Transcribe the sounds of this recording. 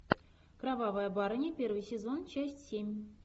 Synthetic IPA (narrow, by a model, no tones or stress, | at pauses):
kravɑvɑjəbɑɾɤnʲipʲervɨjsʲezont͡ɕæsʲtʲsʲemʲ